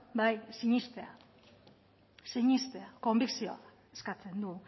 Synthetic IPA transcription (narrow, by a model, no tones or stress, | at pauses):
bajsiɲist̪e̞a̰ | siɲist̪e̞ako̞mbiksioa | eskat͡se̞nd̪u